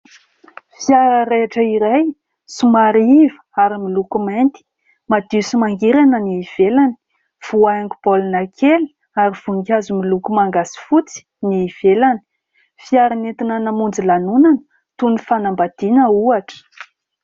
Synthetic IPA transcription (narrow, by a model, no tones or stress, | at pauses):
fiaɾəɾeaʈ͡ʂəiɾaj | sumaɾivə̥aɾimilukument̪i̥ | mad̪̥isimaŋɡiɾanəniːv̥elani̥ | v̥uaaŋɡub̥olinakʰeli̥ | aɾiv̥uŋɡazumilukumaŋɡasi̥fut͡si̥ | niːv̥elani̥ | fiaɾanet̪inanamund͡zilanunanə̥ | t̪unifanambad̪̥inəuaʈ͡ʂə̥